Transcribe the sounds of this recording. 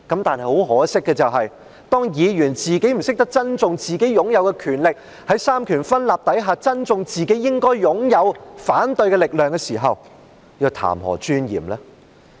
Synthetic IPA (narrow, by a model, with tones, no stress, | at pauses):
kɐ˨˥mt̪aː˨nhɐ˨jho˨˥wɦɔː˨˥sɪ˥kːɛː˧t͡sɐ˨wɦɐ˨j | t̪ɔː˥ŋjiː˨˧jyː˨˩nt͡siː˨ke˨˥jm̩˨˩sɪ˥k̚t̪ɐ˥k̚t͡sɐ˥nt͡sʊ˧ŋt͡siː˨ke˨˥jjʊ˨˥ŋjɐ˨˧wkɛ˧kʰyː˨˩nlɪ˨k̚ | hɐ˨˥jsaː˥mkʰyː˨˩nfɐ˥nlaː˨p̚t̪ɐ˨˥jɦaː˨˧t͡sɐ˥nt͡sʊ˨˧ŋt͡siː˨ke˨˥jːɪ˥ŋkɔː˥jjʊ˨˥ŋjɐ˨˧wfaː˨˥nt̪ɵ˧ɥkɛː˧lɪ˨k̚lœː˨ŋkɛː˧siː˨˩ɦɐ̰˨w | ji˧t̪ʰa̰ː˨˩mhɔ̰ː˨˩t͡ʃyː˥njḭː˨˩mlɛː˥